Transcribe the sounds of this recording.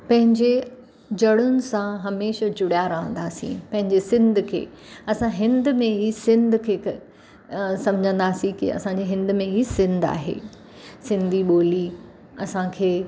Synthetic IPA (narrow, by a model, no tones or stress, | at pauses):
pɐ̃ɦɪ̃ɲd͡ʑe | d͡ʑɐɽʊnɪ̆sãɦɐmeːʃəd͡ʑʊɽijaːɾɐɦə̃nd̪aːsḭ̃pɐ̃ɦɪ̃ɲd͡ʑesɪ̃nd̪ʱkʰḛːɐsãɦɪ̃nd̪mẽɦiːsɪ̃nd̪ʱkʰek | sɐ̃md͡ʑʱə̃nd̪aːsĩkḭɐ̰sãːɲd͡ʑeɦɪ̃nd̪mẽiːsɪ̃nd̪a̰ːɦḛː | sɪ̃nd̪ʱiɓoːli | ɐsãkʰeː